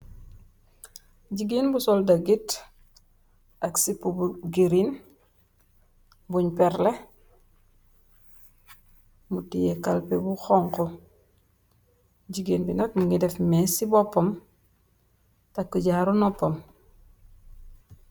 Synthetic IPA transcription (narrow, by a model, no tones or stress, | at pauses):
ɟiɡinbusɔldaɡit | aksipubuɡiɾin | buɲpɛɾle | mutijekalpebuxɔŋko | ɟiɡiːnbinɐk̚muŋɡidefmesibɔpːom | takːuɟaɾunɔpːom